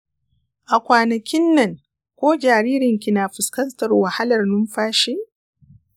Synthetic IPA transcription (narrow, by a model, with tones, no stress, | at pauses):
ʔa˨kʷaː˨nɐ˨kʲɪ˦nːɐ˨ŋ | kʷoː˦d͡ʒaː˨ɾiː˦ɾɪ˨ŋkʲi˨naː˨ɸɪ˨skɐ˦ntɐ˨rwa˨ha˦lɐ˨rnʊ˦mɸaː˦ʃeː˦ʔ